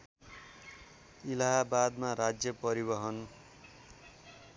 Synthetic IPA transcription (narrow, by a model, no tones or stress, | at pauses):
ilaɦabad̪maɾad͡zjʌpʌɾibʌɦʌn